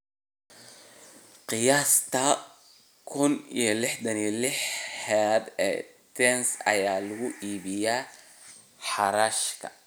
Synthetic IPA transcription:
qɪjaːst̪ʰɐ | kʰʊnḭjɔlɪħd̪ɐnilɪħhɛd̪ɛ̰ːt̪ʰɛnsɐ̰jaːlɐɣʊʔiːβɪjaː | ħɑɾaːʃkʰɐ̥̰

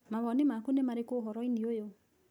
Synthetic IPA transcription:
maβɔnemakunemaɾekoɦɔɾɔiniojo

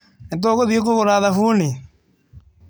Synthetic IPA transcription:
ent̪̬oɣoðiok̬oɣoɾaːðafuːni

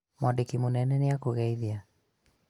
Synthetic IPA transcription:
mɔdekimonɛnɛneakoɣɛiðia

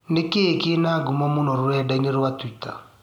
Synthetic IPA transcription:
nekekenaɡumɔmonɔɾɛdɛɲeɾwatwita̰

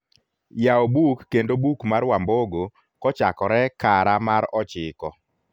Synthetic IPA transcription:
jaobukːendobukmaɾwamboɡo | kɔt͡ʃakɔɾɛkaɾamaɾɔt͡ʃɪkɔ

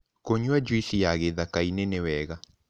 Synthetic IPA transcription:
koɲwad͡ʒwisijaɣeðakainenewɛɣa

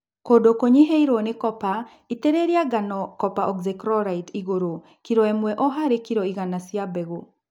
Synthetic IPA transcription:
kodokoɲiɦeiɾonekɔpa | iteɾeɾiaɡanɔkɔpaʔɔɡzɛkɾɔɾaitiɣoɾo | kiɾɔɛmwɛʔɔɦaɾekiɾɔiɣanasjabɛɣo

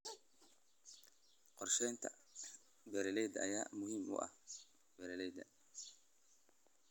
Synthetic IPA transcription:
qɔrʃɛjnt̪ʰɐ̰ | bɛɾɛlɛjd̪ɐʔɐjaːmʊhiːmʔʊ̰ʔɐ̰h | bɛɾɛlɛjd̪ɐ̰

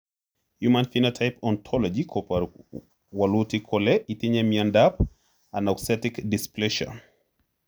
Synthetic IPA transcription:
hjumãnfinatʰajpɔntʰɔlɔd͡ʒikʰɔp | walutikʰɔlɛʔitiɲɛmiandap | anaksɛtikdisplɛʃa̰

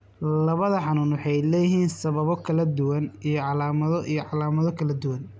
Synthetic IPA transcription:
lɐβɐðɐħɑnuːnwɑħɑjlɛːjɪɦiːnsɐβɐβɔkʰɐlɐd̪ʊwɐnijɞʕɑlaːmɐðɔʔijɔʕɑlaːmɐðɔkʰɐlɐd̪ʊwɐn

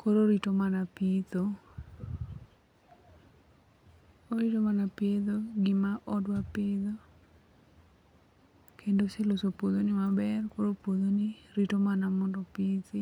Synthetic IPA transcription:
koɾoɾitomanapit̪o | oɾitomanapɪd̪oɡɪmaʔɔdwapɪdo | kʰendoselosopod̪onɪmabɛrkoɾopod̪oniɾitomanamɔndɔpit̪ɪ

